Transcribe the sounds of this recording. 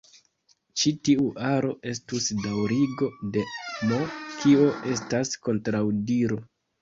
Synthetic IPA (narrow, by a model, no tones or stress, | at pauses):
t͡ʃitiuʔaɾo̞ʔe̞stusdawɾiɡo̞de̞nokio̞ʔe̞stasko̞ntɾawdiɾo̞